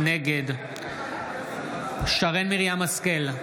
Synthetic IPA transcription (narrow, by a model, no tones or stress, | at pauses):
neɡed̪ | ʃaʁenmiʁjamaskel